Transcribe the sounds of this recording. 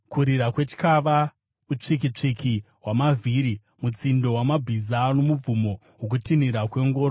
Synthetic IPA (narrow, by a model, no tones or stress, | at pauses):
kuɾiɾakwe̞t͡ʃi̥kaʋa | ut͡ʂik̬it͡ʂikʰi | wamavʱiːɾi | mut͡sindo̞wamabʱizano̞mub͡vumo̞ | ɦok̬utiniɾakwe̞ŋɡo̞ːɾo